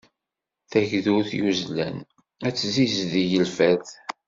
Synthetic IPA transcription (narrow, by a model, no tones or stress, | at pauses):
θæʝðuθjuzlæ̰n | æt͡sːzizðijəlfæθ